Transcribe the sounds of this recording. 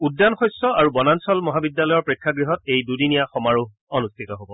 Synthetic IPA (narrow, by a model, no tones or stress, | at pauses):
udːanxɔjsɔaɹubɔnansɔlmɔɦabidjalɔjɔɹpɹikʰːaɡɹiɦɔt̚ejdudinijaxɔmaɹu | ɔnustʰitɔɦobɔ